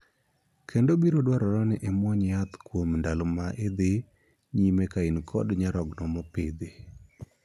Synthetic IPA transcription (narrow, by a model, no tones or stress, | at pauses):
kʰendobiɾodwaɾɔɾɔnɪʔɛmwɔɲjat̪kwomndalomaʔed̪ɪ | ɲimekainkʰɔdɲaɾɔɡnɔmɔpɪd̪e